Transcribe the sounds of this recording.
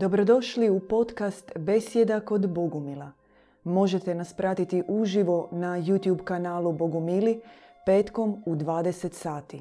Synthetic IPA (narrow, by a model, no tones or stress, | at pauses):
d̪o̞bɾo̞d̪o̞ʃliupo̞t̪kast̪be̞sje̞d̪ako̞d̪boɡumila | mo̞ʒe̞t̪enaspɾat̪it̪iʔuʒiʋo̞najut̪jubkanaːlˠubo̞ɡumili | pe̞ːt̪ko̞mud̪ʋaːd̪e̞se̞t̪saːt̪i